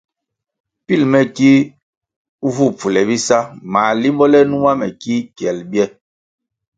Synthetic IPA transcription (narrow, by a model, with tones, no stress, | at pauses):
pi˦˨lmɛ˨ki˦ | u˦vu˦˨pu˨lɛ˨bi˦sa˦ma˨li˦mbɔ˦lɛ˦nu˦ma˦mɛ˨ki˦kjɛ˨lbjɛ˦